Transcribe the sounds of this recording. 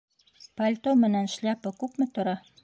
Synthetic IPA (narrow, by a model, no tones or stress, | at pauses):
palʲt̪omɘ̆nænʃlʲæpɤkʉpmɘ̆t̪ŏɾɑ